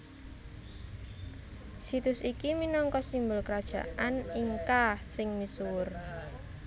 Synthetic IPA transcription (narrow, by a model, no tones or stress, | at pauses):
sit̪ʊsikiminɔŋkɔsimbʊlkəɾad̥ʒ̥a̤ʔaniŋkahsɪŋmisuwʊr